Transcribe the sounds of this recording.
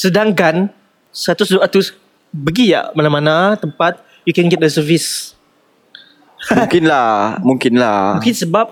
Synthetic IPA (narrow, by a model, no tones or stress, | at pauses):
sədaŋkan | səat̪usduʔat̪us | bəɡija̰ʔmanamanat̪əmpat̪̚ | jukɛ̃nɡɛt̚əsəvis | mŋkɪnlamuŋkɪnlamũŋkinsəbap̚